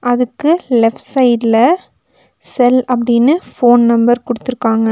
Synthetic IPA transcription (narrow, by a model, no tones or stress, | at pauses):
ʔɐðɯkːɯlɛfʈsɐɪʈlɐ | sɛlɐpːɐɽɪnːɯfoːnnɐmbɐɾkʊɽɯt̪ːɯɾɯkːaːŋɡɐ